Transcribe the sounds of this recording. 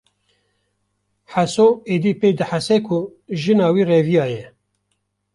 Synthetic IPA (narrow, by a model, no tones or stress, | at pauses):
ħasoːeːd̪iːpeːjd̪ɨħasɛkʰʊ | ʒɨnɑːwiːrevijɑːjɛ